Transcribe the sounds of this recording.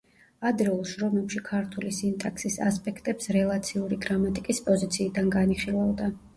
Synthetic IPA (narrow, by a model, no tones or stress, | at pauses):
ad̪ɾɛulˠʃɾɔmɛpʃikʰaɾt̪ʰulisint̪ʼakʰsisa̰spʼɛkʰt̪ʼɛpsɾɛlˠat̪sʰiuɾiɡɾamat̪ʼikʼispʼɔzit̪sʰiːd̪anɡaniχilˠavd̪a